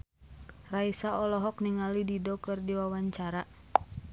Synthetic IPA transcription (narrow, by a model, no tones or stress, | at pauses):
raisaɔlɔɦɔk̚niŋalididɔkɨrdiwawaɲt͡ʃaɾa